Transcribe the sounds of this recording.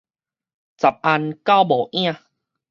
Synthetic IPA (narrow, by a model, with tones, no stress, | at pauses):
t͡sa˨˩p̚ʔa˧nka˦wbɔː˨˩ʔj̃ã˥˧˨